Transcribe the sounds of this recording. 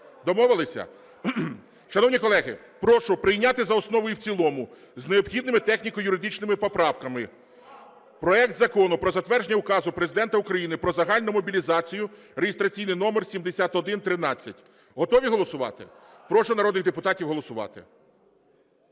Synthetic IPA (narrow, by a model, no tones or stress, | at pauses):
d̪ɔmɔʋɪlˠɪsʲɐ̰ | ʃɐnɔwnʲikɔlˠɛɦɪ | pɾɔʃʊpɾɪjnʲat̪ɪzɐɔsnɔʋɔjiwt͡sʲilˠɔmʊ | zneɔbxʲid̪nɪmɪt̪ɛxnʲikɔjʊɾɪd̪ɪt͡ʃnɪmɪpɔpɾɑwkɐmɪ | pɾɔɛk̚t̪zɐkɔnʊpɾɔzɐt̪ʋɛrʒenʲːɐʊkɑzʊpɾezɪd̪ɛnt̪ɐukɾɐjinɪpɾɔzɐɦɑlʲnʊmɔbʲilʲizɑt͡sʲijʊ | reɦɪst̪ɾɐt͡sʲijnɪjnɔmersʲimd̪esʲat̪ɔd̪ɪnt̪ɾɪnɑt͡sʲːɐtʲ | ɦɔt̪ɔʋʲiɦɔlˠɔsʊʋɑ̰t̪ɪ̰ | pɾɔʃʊnɐɾɔd̪nɪɣd̪epʊt̪ɑtʲiwɦɔlˠɔsʊʋɑ̰t̪ɪ̰